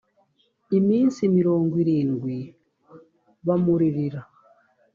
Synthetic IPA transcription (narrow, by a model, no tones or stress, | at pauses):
imiːnsimiɾoːŋɡwiɾiːŋɡwi | βamuɾiɾiɾa